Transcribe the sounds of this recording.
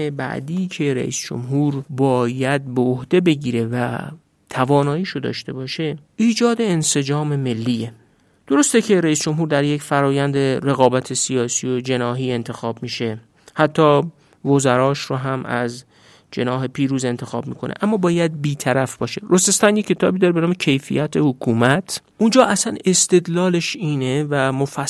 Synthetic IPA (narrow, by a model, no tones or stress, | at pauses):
ebæ̰ʔd̪iːcʰe̞ɾæ̰ʔḭːsd͡ʒo̰mɦuːɾbɒːjæd̪̚beohd̪e̞be̞ɟiːɾe̞væ | t̪ʰævɒːnɒːiːʃod̪ɒ̰ːʃt̪e̞bɒːʃe̞ʔiːd͡ʒɒːd̪e̞ːnse̞d͡ʒɒːmeme̞lːiːe | d̪̥o̞ɾo̞st̪ecʰe̞ɾæiːsd͡ʒo̞mɦuːɾd̪æɾje̞cfæɾɒːjænd̪eɾe̞ɣɒːbæt̪ʰesijɒːsiːjod͡ʒe̞nɒːɦiːe̞nt̪ʰe̞xɒːbmiːʃe̞ | hæt̪ʰːɒː | vozæɾɒːʃɾoɦæmæ̰z | d͡ʒe̞̰nɒːɦe̞pʰiːɾuːze̞nt̪ʰe̞xɒːbmiːkʰo̞nḛʔæmːɒːbɒːjæd̪̚biːt̪ʰæɾæfb̥ɒːʃe̞ɾosest̪ænjekʰʲcʰːe̞t̪ʰɒ̰ːbid̪ɒːɾebenɒːme̞cʰe̞jfḭjæt̪ʰehokʰuːmæt̪ʰ | und͡ʒɒːʔæsæne̞st̪e̞d̪lɒːle̞ʃiːnevæmofæ